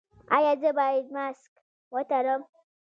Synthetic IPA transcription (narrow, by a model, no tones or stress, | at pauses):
ajad͡zəbaidmask | wat̪aɾɔm